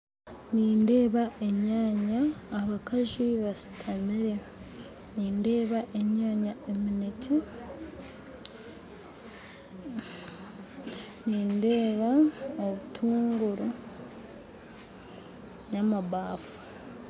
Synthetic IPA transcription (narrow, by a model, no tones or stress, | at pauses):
niːnde̞ːβaʔe̞ɲaːɲaːβakaziβasi̥tʰamiɾe̞ | niːnde̞ːβaʔeɲaːɲaeminece | niːnde̞ːβaoβutʰuːŋɡuɾu | ɲamaβaːfu̥